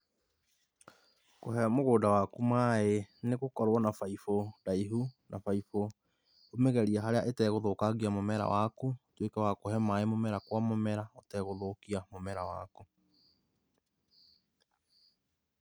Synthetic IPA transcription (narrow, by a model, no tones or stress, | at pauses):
koɦɛmoɣoːdawakumaeneɣokɔɾwɔnafaifodaiɦunʔafaifo | omɛɣɛɾiaɦaɾeaʔetɛɣoðokaɣiamomɛɾa̰wakotwekɛwakoɦɛmaemomɛɾakwamomɛɾaotɛɣoðokiamomɛɾawa̰ko